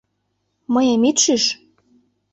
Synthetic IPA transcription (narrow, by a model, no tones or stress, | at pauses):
mɤjemit̪ʃiʃ